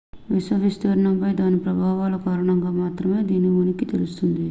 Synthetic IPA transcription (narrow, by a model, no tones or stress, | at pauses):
ʋisɐfist̪ɐɾɐɳɐmpɐjd̪aːnipɾɐbʱaːʋaːlɐkaːɾɐɳɐŋɡaːmaːt̪ɾɐme̞ːd̪iːnːiunɐkit̪elust̪und̪i